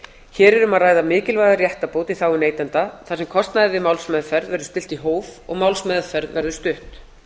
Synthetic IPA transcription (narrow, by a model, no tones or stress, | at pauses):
çɛːɾɛɾʏmaðraːjðamɪːcɪlvajðarjɛht̪apoːwt̪iθaːwʏneːjt̪ant̪aθasɛmkʰɔst̪naðɪvɪmawlsmɛðfɛɾðvɛɾðʏst̪ɪl̥t̪iɦoːwvɔɣmawlsmɛðfɛɾðvɛɾðʏst̪ʏht̪